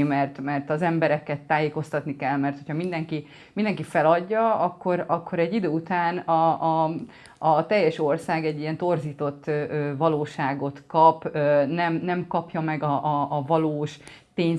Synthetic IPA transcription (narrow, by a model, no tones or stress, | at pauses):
mɛrt̪mɛrt̪ɒzɛmbɛɾɛkɛt̪ːaːjeːko̞st̪ɒt̪nikɛlmɛrt̪ho̞cʰhɒmind̪ɛŋki | mind̪ɛŋkifɛlɒɟːɒɒkːo̞ɾɒkːo̞ɾɛɟːid̪øːut̪aːnɒɒ | ɒt̪ɛjːɛʃo̞rsaːɡɛɟːijɛnt̪o̞rziːt̪o̞t̪ːøːøːvɒloːʃaːɡo̞t̪kɒpønɛmnɛmkɒpjɒmɛɡɒʔːvɒloːʃ | t̪eːɲ